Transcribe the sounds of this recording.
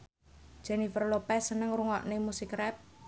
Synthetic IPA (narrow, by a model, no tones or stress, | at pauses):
d̥ʒ̥ɛnifərlopɛsːənəŋruŋɔ̰ʔnemusikrɛp̚